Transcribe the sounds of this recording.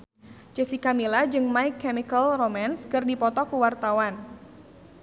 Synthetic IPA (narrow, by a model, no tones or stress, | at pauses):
t͡ʃesikamilad͡ʒɨŋmaɪkːɛmikəlromanskɨrdipɔt̪ɔkuwart̪awan